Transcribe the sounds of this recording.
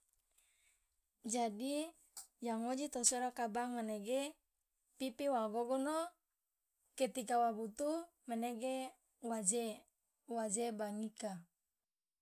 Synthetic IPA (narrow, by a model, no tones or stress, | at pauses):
d͡ʒadi | jaŋod͡ʒit̪osoɾakabaŋmaneɡe | pipiwaɡoɡono | ket̪ikawabut̪u | meneɡe | wad͡ʒe | wad͡ʒebaŋika